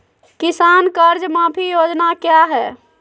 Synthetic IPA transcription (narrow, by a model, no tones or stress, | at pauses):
kisankəɾd͡ʒmãpʰijod͡ʒnakjaɦɛ